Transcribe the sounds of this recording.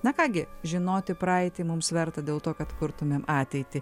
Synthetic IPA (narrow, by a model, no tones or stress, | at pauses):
nɐkɑːɡʲɪʒʲɪnoːt̪ʲɪpɾɑːɛɪt̪ʲɪmʊmsʋʲɛɾt̪ɐd̪ʲeːlˠt̪oːkɐt̪kʊɾt̪ʊmʲeːmɑːt̪ʲɛɪt̪ʲɪ